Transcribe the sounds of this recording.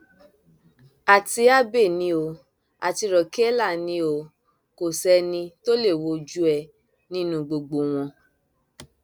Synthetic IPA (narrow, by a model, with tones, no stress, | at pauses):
a˨ti˧a˦be˦˨nĩ˧o˧ | a̰˨ti˧ɾɔ˨ke˦la˦˨nĩ˧˦o˧ | ko˨sɛ˧˦nĩ˧to˦le˦˨wo˧d͡ʒu˦ɛ˧˨ | nĩ˦nũ˧˦ɡ͡bo˧ɡ͡bo˧˨w̃ɔ̃˧